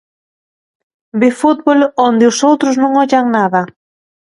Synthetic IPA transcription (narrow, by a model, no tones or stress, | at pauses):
befut̪̚βolond̪ɪʊsowt̪ɾʊznõŋɔʎaŋnaðɐ